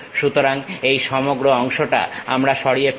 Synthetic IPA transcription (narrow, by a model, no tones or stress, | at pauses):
ʃut̪oɾaŋejʃɔmoɡɾoɔŋʃoʈa̰amɾaʃɔɽiep